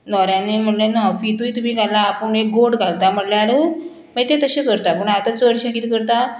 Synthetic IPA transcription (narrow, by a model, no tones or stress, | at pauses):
nɔɾjãnem̤əɳlenafit̪ujt̪umiːɡʱalːaːpəɳek̚ɡoɽɡʱalt̪am̤əʈljaɾu | məet̪et̪əɕekəɾt̪apəɳat̪at͡səɽɕə̃kit̪kəɾt̪a